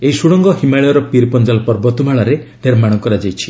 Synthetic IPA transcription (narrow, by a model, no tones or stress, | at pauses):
eisuɽɔŋɡɔɦimaɭiɔɾɔpiɾpɔnd͡ʒalpɔɾbɔt̪umaɭaɾeneɾmaɽ̃ɔkɔɾad͡ʒajt͡ʃʰi̥